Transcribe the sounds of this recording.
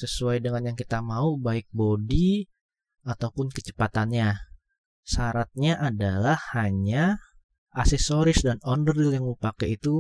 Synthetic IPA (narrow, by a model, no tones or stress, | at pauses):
səsuajdəŋanjaŋkit̪amaubaɪk̚bodi | at̪awpʊnkət͡ʃə̥pat̪anɲa | saɾat̪̚ɲaʔadalahːaɲa | asɛsoɾɪsdanɔndəɾiljaŋməpakajit̪u